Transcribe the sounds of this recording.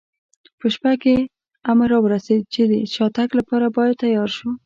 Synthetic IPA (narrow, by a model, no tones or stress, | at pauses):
pəʃpake | amaɾɑwəɾased̪̚t͡ʃed̪ət͡ʃɑt̪aklapɑɾabɑjad̪̚t̪ːajɑɾʃu